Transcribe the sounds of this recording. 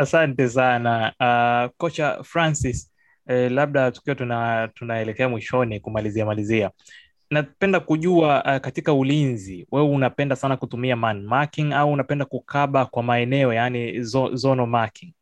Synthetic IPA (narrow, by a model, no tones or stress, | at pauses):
asantɛsanaakɔt͡ʃafɾansis | ɛlaɓ̚ɗatu̥kiwɔtunatunaɛlɛkɛamwiʃɔnikumaliziamalizia | napɛndakuʄuakatikaulinziwɛwɛunapɛndasanakutumiamanmakiŋauːnapɛndakukʰaɓakwamaɛnɛɔjanizɔzɔnɔmakiŋ